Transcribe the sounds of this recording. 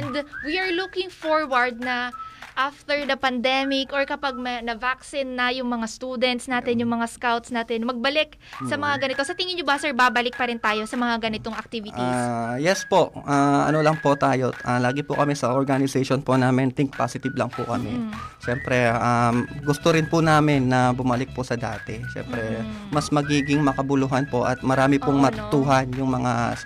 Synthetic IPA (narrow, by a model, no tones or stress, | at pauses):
ɛnd̪wiʔɐɹlukɪŋfoɹwɐɹd̪̚nɐʔaft̪ɛɹd̪ɐpɐnd̪ɛmɪkʔɔɹkɐpaɡ̚mɐnɐvaksɪnːɐjʊŋmɐŋast̪ud̪ɛnt̪snaːt̪ɛnjʊŋmɐŋaskawt̪snaːt̪ɛnmɐɡ̚bɐlɪk̚ | sɐmɐŋaɡɐnɪt̪osɐt̪ɪŋɪnɲːobɐsɛɹbabɐlɪk̚pɐɾɪnt̪aːjo̞sɐmɐŋaɡɐnɪt̪oŋɐk̚t̪ivɪʔ̪iajɛspo̞ʔʔaɐ̰nolɐŋpot̪aːjo̞ʔalaːɡɪpʊkɐmɛsɐʔoɹɡanɪsɛjʃonponaːmɪnt̪ɪŋk̚pa̰ːsɪt̪ɪblɐŋpʊkɐmɛʃɛmpɾɛʔamɡʊst̪oɾɪnpʊnaːmɪnːɐbʊmɐlɪk̚pʊsɐd̪a̰ːt̪ɛʃɛ̰mpɾɛ | mɐsmɐɡiːɡɪŋmɐkɐbʊluːɦɐnpoʔɐ̰t̪̚mɐɾaːmɪpʊŋmɐt̪ʊt̪uːɦɐnjʊŋmɐŋa